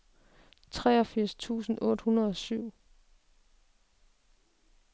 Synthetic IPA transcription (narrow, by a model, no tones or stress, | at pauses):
t͡sʰʁɛːɒ̽fiɐ̰st͡sʰṵːsn̩ɔ̽ːd̥hunɐðˠɒ̽syʊ̰